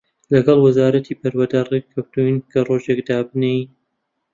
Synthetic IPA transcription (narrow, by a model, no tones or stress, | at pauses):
lɐɡɐlˠwɐzaːɾɐt̪ʰiːbɐɾwɐd̪arekʰːɐwt̪unkʰɐroːʒekd̪aːbɨnej